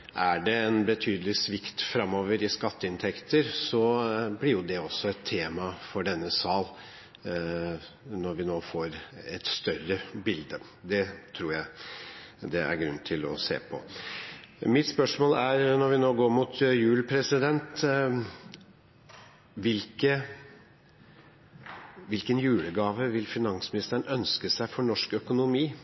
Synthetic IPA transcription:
ʔæɖɛɛnbət̪ʰyːd̪əlɪsʋɪkt̪fɾɑmːoːʋəɾɪskɑt̪ːəɪnt̪ʰɛkt̪əɾsɔblɪɾjʊd̪ɛɔsːɔɛt̪ʰːeːmɑfɔɖɛnːəsɑːl | nɔɾʋɪnoːfoːɾɛt̪st̪œrəbɪld̪ə | d̪ɛt̪ʰɾuːɾjæɪ | d̪ɛæ̰ɾɡɾʉnːt̪ʰɪlɔsḛːpʰɔ̰ | mɪt̪spœʂmoːlæɾnɔɾʋɪnoːɡoːɾmut̪jʉːlpʰɾɛsɪd̪ɛnt̪ | ʋɪlkə | ʋɪlkənjʉːləɡɑːʋəʋɪlfɪnɑŋsmɪnɪst̪əɳœnskəsæɪfɔɳɔʂkœkʊnʊmiː

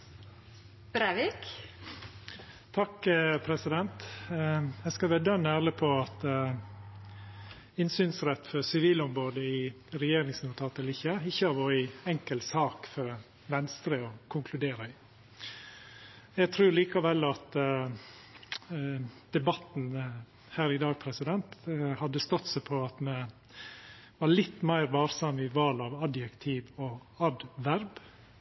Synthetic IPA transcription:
b̥ɾæʋik | t̪ʰɑkəpʰɾɛsɪd̪ɛnt̪ | ɛskɑlʋæːd̪œnːəæləpʰɔɑt̪ | ɪnsyːnsɾɛt̪ːfɔɾsɪʋiːlɔmɾoːd̪əɪ | ɾɛjeːɾɪŋsnuːt̪ʰɑːt̪ɛlɪçːəɪçːəɑɾʋoːɾəɛŋkəlt̪sɑːkfɔɾ | ʋɛnst̪ɾəɔkʰʊŋkʰlʉd̪eːɾəɪ | jɛɡ̚t̪ʰɾʉːɾɭiːkɑʋɛlːɑt̪ | d̪̥ɛbɑt̪n̩ | hæːɾɪd̪ɑːɡ̚pʰɾɛsɪd̪ɛnt̪hɑd̪ːəst̪ɔt̪sɛpʰɔɑt̪mɛ | ʋɑɭɪt̪ːmæɪɾʋɑːɾsɑmɪʋɑlɑʋɑd̪jɛkt̪ʰiːʋɔɑd̪ʋæɾb

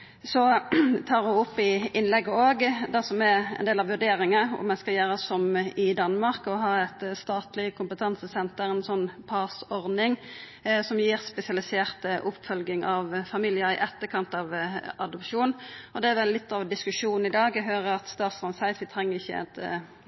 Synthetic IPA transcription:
sɔt̪ʰɑːʁɔʊpːɪɪnlɛɡːəoːɡd̪æsɔmɛɾɛ̰nd̪eːlɑʋʉɖ̪eːɾɪŋɑɔ̰mɛnskɑljæːɾəsɔmɪd̪ɑnːmɑʁkɔɦɑɾɛt̪st̪ɑːt̪lɪkʰʊmpət̪ʰɑnsəsɛnt̪əɾɛnsɔnːpʰɑːsɔʁd̪ɪŋ | sɔmjiːʁspɛsɪɑlɪseːʁt̪ʔʊpːfœlɡɪŋʔɑʋfɑmilɪəɾɪ̰ʔɛt̪ːəkʰɑnt̪ɑʋɑd̪ɔpʂuːnɔd̪ɛæɾʋɛllːɪt̪ːɑʋd̪ɪskʉʂuːnn̩ɪd̪ɑːɡɦøːɾəɾɑt̪st̪ɑːt̪sʁɑnsæɪt̪ʋɪt̪ʰʁɛŋːəʁɪçːə̰ɑ̰t̪

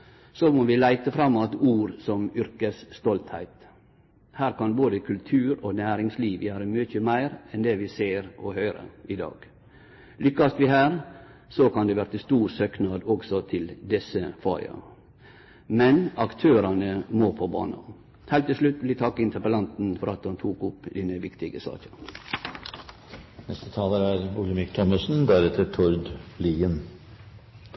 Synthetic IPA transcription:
sɔmɔʋɪlæɪt̪əfɾɑmːɑt̪uːɾsɔmʏɾkəsst̪ɔlt̪hæ̰ɪt̪ | hæːɾkɑnboːd̪əkʰʉlt̪ʰʉːɾoːnæːɾɪŋsliːʋjæːɾəmʏçəmæɪɾɛnd̪ɛːʋɪseːɾɔhœʏɾə̰ɪd̪ɑ̰ːɡ̥ | lʏkːɑst̪ʋɪɦæːɾ | sɔkɑnd̪ɛʋæːɾət̪ɪst̪uːɾsøːknɑːd̪ɔɡsɔt̪ʰɪld̪ɛsəfɑɪɑ̰ | mɛnɑkt̪ʰøːɾɑnəmoːpʰɔbɑ̰ːnɑ̰ | hɛːlt̪ːɪlslʉt̪ʋɪlɪt̪ʰɑkːəɪnt̪ʰəɾpəlɑnt̪n̩fɔɾɑt̪hɑnt̪ʰuːkʊpd̪ɛnəʋɪkt̪ɪɡəsɑ̰ːt͡ʃɑ | nɛst̪ət̪ʰɑːləɾæɾbʊləmɪkːt̪ʰɔməsn̩d̪æɾɛt̪ʰəʈʰɔɾd̪liːən

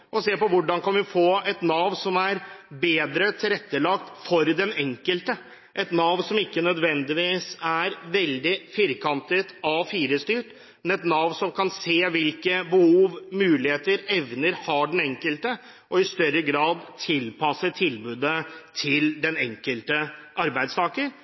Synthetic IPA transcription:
ʔɔseːpɔʋʊɖɑnkɑnʋɪfoːɛt̪nɑːʋnsɔmæɾbeːd̪ɾət̪ʰɪlɾɛt̪ːəlɑkt̪fɔɾd̪ɛnɛŋkəlt̪ə | ʔɛt̪nɑːʋnsɔmɪkːənœd̪ʋɛnd̪ɪʋiːsæɾʋɛld̪ɪfɪɾkʰɑnt̪ət̪ɑfiːɾəst̪yːʈ | mɛnɛt̪nɑːʋnsɔmkʰɑnseːʋɪlkəbəhuːʋmʉːlɪheːt̪əɾɛʋnəɾhɑɖɛnɛŋkəlt̪ə | ʔɔɪst̪œɾːəɡɾɑːd̪t̪ʰɪlpɑsəʈʰɪlbʉːd̪ət̪ʰɪld̪ɛnɛŋkəlt̪əʔɑɾbæɪd̪st̪ʰɑːkən

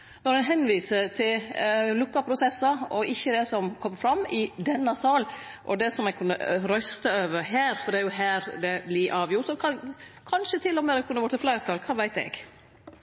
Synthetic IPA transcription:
nɔɾɛnɦɛnːʋiːsət̪ʰɪllʉkːɑpʰɾʊsɛsːɑɔɪçːəd̪ɛsɔmkʰɔmːəfɾɑmːɪd̪ɛnːɑsɑːl | ʔɔd̪ɛsɔmɛɡ̚kʰʉnːə̰ɾœst̪əøːʋəɾɦæːɾfɔɖ̪ɛæɾjʊɦæːɾd̪ɛblɪʔɑːʋjʊʈɔkʰɑkʰɑnʃət̪ʰɪlːɔmɛd̪ɛkʰʉnːəʋɔʈ̪ːəflæɪɾt̪ʰɑːlkʰɑːʋæɪt̪ɛ̰ɡ

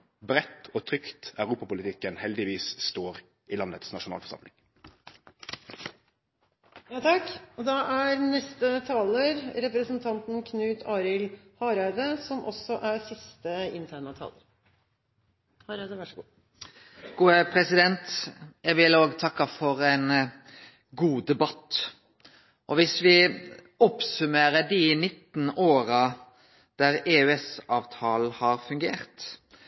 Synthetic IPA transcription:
bɾɛt̪ːoːt̪ʰɾʏkt̪œʉʁuːpɑpʊlɪt̪ʰɪkːənhɛld̪ɪʋiːsst̪oːʁ | ilɑnət̪snɑʃʊnɑ̰ːlfɔsɑ̰mlɪ̰ŋ | jɑːt̪ʰɑkɔd̪ɑʔæɾnɛst̪ət̪ʰɑːləɾɾɛpɾəsənt̪ʰɑnt̪n̩kʰnʉːt̪ʰɑːɾɪlhɑːɾɑɪd̪əsɔmʔɔ̰sɔʔæɾsɪst̪əɪ̰nt̪ʰæːɳət̪ʰɑ̰ːləɾ | hɑɾd̪ə | ɡ̥uːəpʰɾɛsɪd̪ɛnt̪jæʋɪloːɡt̪ʰɑkːɑfɔɾɛn | ɡuːd̪ɛbɑt̪ | ʔɔʋɪsʋɪ | ɔpsʉmeːɾəɖɪnɪt̪ːn̩oːɾɑ | d̪̥æɾeːʉɛsɑːʋt̪ʰɑːl̩hɑɾfʉŋɡeːɾt̪

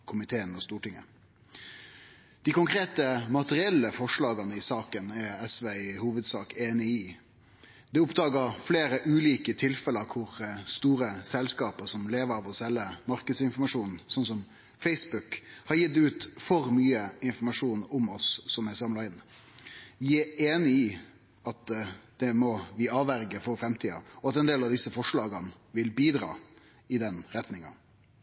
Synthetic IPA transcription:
kʰʊmɪt̪ʰeːənɔst̪uːʈɪŋːə̰ | d̪̥ɪkʊŋkʰɾeːt̪əmɑt̪əʁɪɛlːəfɔʂɭɑːɡɑnəɪsɑːkənɛɾɛsʋeɪhuːʋəd̪sɑːkeːnɪɪ | d̪ɛʊpd̪ɑːɡəfleːɾəʔʉːliːkət̪ʰɪlfɛləɾkʰʊɾst̪uːɾəsɛlskɑːpəsɔmleːʋəɾɑʋɔsɛlːəmɑɾkəd̪sɪnfɔmɑʂuːnn̩sɔnsɔm | fɛɪsbʉkhɑɾjɪt̪̚ɛʉːt̪fɔɾmyːəɪnfɔmɑʂuːnʊmɔsːɔmæsɑmlɑɪn | ʋɪæɾeːnɪɪ | ɑt̪d̪̥ɛmɔʋɪɑːʋæɾɡəfɔɾfɾɛmt̪ʰiːɑ̰ɔɑt̪ɛnd̪eːlɑʋd̪ɪsːəfɔʂlɑːɡən | ʋɪlbiːd̪ɾɑ̰ː | ɪd̪ɛnɾɛt̪nɪŋɑ̰

